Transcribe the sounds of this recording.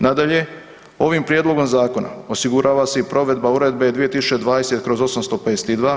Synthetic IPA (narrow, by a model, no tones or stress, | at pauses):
nad̪aʎe̞ | o̞ʋimpɾjed̪lˠo̞ɡo̞mzaːko̞na̰o̞siɡuɾʔaːʋase̞ipɾo̞ʋe̞d̪bauɾe̞d̪bed̪ʋije̞t̪isu̥t͡ʃed̪ʋaːd̪ese̞t̪kɾo̞zo̞samst̪o̞ped̪eset̪id̪ʋaː